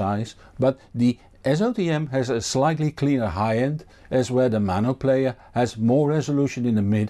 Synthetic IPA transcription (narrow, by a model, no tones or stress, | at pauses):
aɪz | bʌt̪ði | ʔɛs̬oʊtiɛ̃mɨzɨslaɪtˡlikʰl̥ĩnə˞ɦaɪɛ̃nd | ɨzwə˞ðəmænoʊpʰleɪə˞ | hɨzmɔɹɹɛzəluʃɨ̃nɪ̃nðəmɪd